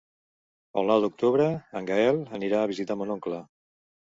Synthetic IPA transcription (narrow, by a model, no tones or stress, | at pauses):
ə̰lˠnawd̪uk̚t̪uβɾəəŋɡaɛləniɾaːβ̞izit̪amonoŋklə